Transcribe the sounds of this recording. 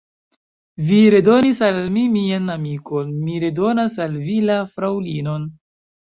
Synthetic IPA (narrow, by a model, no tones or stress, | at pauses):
viɾe̞do̞nisalmimianamiko̞nmiɾe̞do̞nasalvilafɾawlino̞n